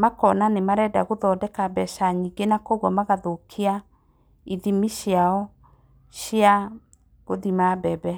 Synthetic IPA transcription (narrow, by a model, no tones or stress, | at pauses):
makɔnanemaɾɛdaɣoðɔdɛkabɛʃaɲiɡenakoɣwɔmaɣaðokʰia | iðimiɕjaɔ | ɕia | ɣoðimabɛbɛ